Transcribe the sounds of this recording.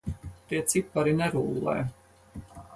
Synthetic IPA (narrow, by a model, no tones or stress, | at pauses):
p̪iɛt̪sipːaɾinɛɾuːlˠːɛ̰ː